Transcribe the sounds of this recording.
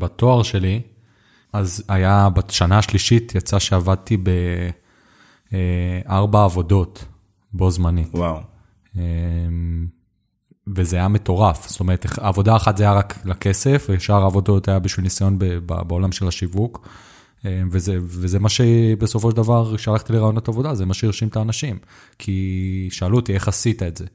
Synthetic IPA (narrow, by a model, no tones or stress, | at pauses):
bato̞aʁʃe̞li | azajabaʃanaːʃliʃitjat͡saʃeavad̪̚t̪ibe | eaʁbaːvo̞do̞t | bo̞zmanitwaw | em | vezeajame̞to̞ʁafst̪o̞me̞ʁet̪eχːvo̞daːχatzajaʁaklake̞se̞feʃaʁaːvo̞do̞tajabiʃvilnisajo̞nbeba̰beo̞lamʃe̞laʃivuk | evezevezemaʃebeso̞fo̞ʃedavaʁkʃealaχt̪ileʁajonot̪avo̞dazemaʃeiʁʃimt̪aːnaʃim | kʰiʃealut̪ie̞χasitaetze̞